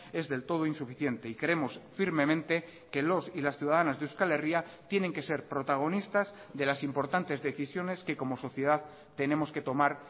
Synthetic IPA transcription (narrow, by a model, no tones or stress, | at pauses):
e̞zðe̞lt̪o̞ð̞oinsufiθje̞nt̪e̞ikɾeemo̞sfiɾme̞mẽnt̪e̞ | ke̞lo̞silasθjuðaðanazðeuskale̞ria | t̪je̞ne̞ŋke̞se̞ɾpɾo̞t̪aɣ̞o̞nist̪az | ðe̞lasimpo̞ɾt̪ant̪e̞zðe̞θisjo̞ne̞ske̞ko̞mo̞so̞θje̞ð̞að | t̪e̞nẽ̞mo̞ske̞t̪o̞maɾ